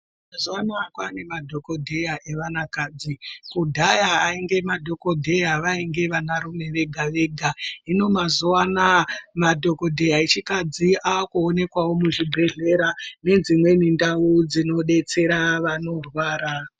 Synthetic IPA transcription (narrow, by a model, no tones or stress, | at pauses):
mazuanakwane̞madʱo̞ko̞dʱejaʔeʋanakaːd͡zikudʱajaːiŋɡe̞madʱo̞ko̞dʱejaʋaiŋɡe̞ʋanaɾume̞ʋe̞ɡʱaʋe̞ːɡʱaino̞mazuanamadʱo̞ko̞dʱe̞jaet͡ʃikad͡ziʔaːkuone̞kwawo̞muʐibʱe̞ɮe̞ɾane̞d͡zimwe̞nindaud͡zino̞ɗe̞t͡se̞ɾaʋano̞rwaːɾa